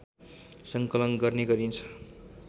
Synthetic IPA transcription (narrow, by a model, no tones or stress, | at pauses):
sʌŋkʌlʌnɡʌrneɡʌɾint͡sʰʌ̥